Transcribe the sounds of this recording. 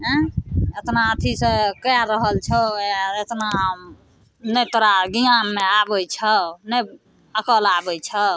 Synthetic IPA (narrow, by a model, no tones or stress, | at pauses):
ɦɛ̃et̪naət̪ʰisekəjaɾəɦəlt͡ʃʰəjaet̪naɦm | nəjt̪oɾaɡijamːeabəjt͡ʃʰənə | əkəlabəjt͡ʃʰə